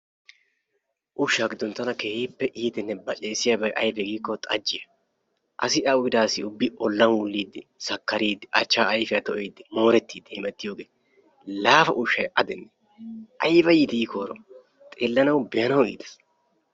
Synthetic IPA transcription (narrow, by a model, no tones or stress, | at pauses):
ʔʊʃːaːɡɪd̪ʊnt̪ːɐnɐkeːhiːpːɛʔiːt̪ɛnːɛbɐt͡ʃʼeːsɪjɐbɐjʔɐjbɛɡiːkːɔt̪ʼɐ̰d͡ʒːɪjɐ | ʔɐsɪɐʊɡɪd̪aːsɪʊbːɪʔɔlːɐnwʊlːiːd̪ːɪsɐkːɐɾiːd̪ɪʔɐt͡ʃːaːɐjfɪjɐt̪ɔʔejd̪ːɪmo̞ːɾɛt̪ːiːd̪ːɪhɪmɛt̪ːɪjo̞ːɡeː | laːfɐʔʊʃːɐjʔɐd̪ɛnːɛ | ʔɐjbɐjiːt̪ɪikoːɾɔ | t̪ʼeːlːɐnɐwbɪjɐnɐwḭːd̪ɐ̥s